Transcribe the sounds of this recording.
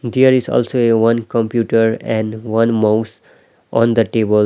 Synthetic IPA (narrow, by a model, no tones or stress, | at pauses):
d̪eəɾɪzɔ̰ːlsoːeʋʌ̃nkə̃mpjuːʈəɾɛ̃ɳɖʋʌ̃nmaʊs | ʔɔ̃nd̪əʈeːbəl